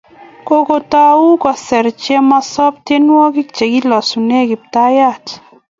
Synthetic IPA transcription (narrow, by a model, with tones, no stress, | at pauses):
ko˦ko˦ta˦u˦kɔ˨sɛ˨ɾt͡ʃɛ˦ma˧sɔ˦p̚te˦nwɔ˦ki˦k̚t͡ʃe˨ki˦lɔ˨su˨ne˦kɪ˨p̚ta˦ja˦˨t